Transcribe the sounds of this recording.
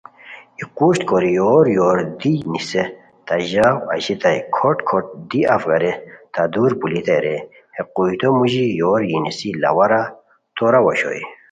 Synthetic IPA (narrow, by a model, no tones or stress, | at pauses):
iquɕt̪koɾijoːɾjoːɾd̪inise | t̪aʑawɐ̰ʑit̪ɐjkʰoʈkʰoʈ̚d̪iɐfɡɐɾet̪ad̪uːɾbulit̪ɐjɾe | hequjt̪omuʑijoɾjinisilɐ̰wɐɾa | t̪oɾawɐɕo̰ji